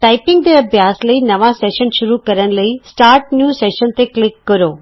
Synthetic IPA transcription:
ʈaːɪpɪ̃ŋɡ̚d̪eɐbʱjaːslɐinɐʋaseːʃənʃʊɾukɐɾəɽ̃̆lɐisʈaːɾʈ̚njuːseːʃənt̪eklɪkːɐɾoː

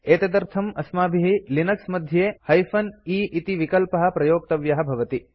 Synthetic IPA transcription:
eːt̪ɐd̪ɐɾt̪ʰɐmɐsmaːbʱiɦilinɐksmɐd̪ʱjeːhɐjfʰɐniːʔit̪iʋikɐlpɐɦɐ̆pɾɐjoːk̚t̪ɐʋjɐɦɐ̆bʱɐʋɐt̪i

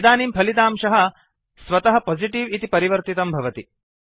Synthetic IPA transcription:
d̪aːniːmpʰɐlit̪aːmʃɐɦɐ | sʋɐt̪ɐɦɐpɔːd͡ʒiʈiʋit̪ipɐɾiʋɐɾt̪it̪ɐmbʱɐʋɐt̪i

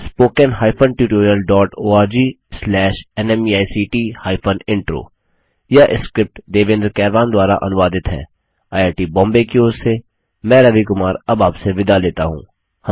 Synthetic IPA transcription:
spoːkənɦaːɪpʰənʈjuːʈoːɾiəlɖɔːʈoːaːɾd͡ʒiː | slɛːʃɛnɛmiaːisiːʈiːhaːɪpʰənɪ̃ɳʈɾo̰ː | jaʔɪskɾɪp̚ʈd̪eːʋẽːnd̪əɾkɛːɾʋaːnd̪waːɾa̰ʔɐ̰nʊʋaːd̪ɪt̪ɦɛ̰̃ː | aːjaːʈiːbɔ̃ːmbekioːzse | mɛ̃ːɾɐʋikʊmaːɾɐbaːpseʋɪd̪aleːt̪a̰ɦṵ̃ː | h

